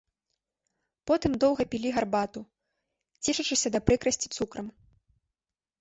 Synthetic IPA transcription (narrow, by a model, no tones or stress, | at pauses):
pɔt̪ɨmd̪ɔwɣɐpʲilʲiɣarbat̪u | t͡sʲɛʂɐt͡ʂɨsʲɐd̪ɐpɾɨkɾɐsʲt͡sʲi̥t̪sukɾɐm